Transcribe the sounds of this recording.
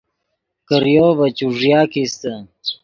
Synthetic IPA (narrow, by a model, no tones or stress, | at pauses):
kəɾjovət͡ɕuʐjaːkist̪ə